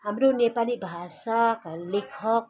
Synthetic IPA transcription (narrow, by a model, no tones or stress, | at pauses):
amɾonepaliʔbaɦasakalikʰɔp̚